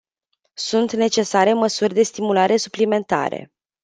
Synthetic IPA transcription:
sunt̪ne̞t͡ʃe̞saɾe̞məsurʲd̪e̞st̪imulaɾe̞suplime̞nt̪a̰ɾe̞̰

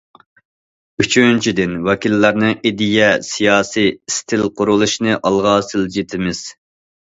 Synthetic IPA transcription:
yt͡ʃʰynt͡ʃʰid̪ɪnwɑkʲilːæɾnɨʔid̪ijɛsijɑːsijst̪ʰɪlqʰʊɾulˠuʃnɨʔɑlˠʁɑːsɨld͡ʒit̪ʰɪmɪz̥

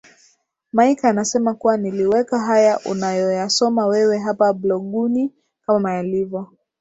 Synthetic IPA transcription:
majkaːnasɛmakuwaniliwɛkaɦajaʔunajɔjasɔmawɛwɛɦapablɔɠuni | kamamajalivjɔ

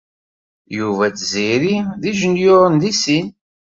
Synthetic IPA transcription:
juvæt͡sziɾiðiʒənjʊɾˤənðisin

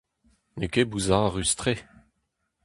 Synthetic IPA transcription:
nekebuzaʁyst̪ʁeː

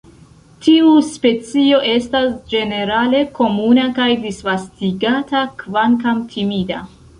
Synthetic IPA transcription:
tʰiuspe̞t͡sio̞ʔe̞stasd͡ʒe̞ne̞ɾale̞ko̞munakajdisvastiɡatakvankamtʰimida̰

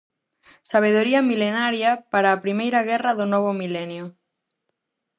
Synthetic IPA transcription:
saβ̞eð̞oɾiɐmilenaɾjapaɾaːpɾimejɾaɣ̞ɛrɐðonɔβ̞omilɛnjo

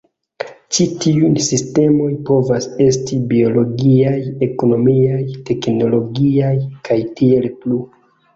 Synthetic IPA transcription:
t͡ʃitiujsiste̞mo̞jpo̞vase̞stibio̞lo̞ɡiaje̞ko̞no̞miajte̞kno̞lo̞ɡiajkʰajtie̞lplu

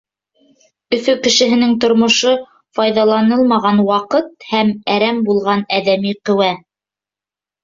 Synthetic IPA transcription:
ɵ̆fɵkɘ̆ʃɘ̆ɦɘ̆nɘŋt̪ŏɾmŏʃo | fɑjðɑlˠɑnɤlˠmɑʁɑnwɑqɤt̪̚hæmæɾæmbulˠʁɑnæðæmiqɵ̆wæ

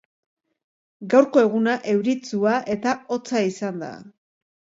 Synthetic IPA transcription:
ɡawɾko̞e̞ɣunaʔe̞wɾit͡suaʔe̞t̪ao̞t͡saisand̪a̰

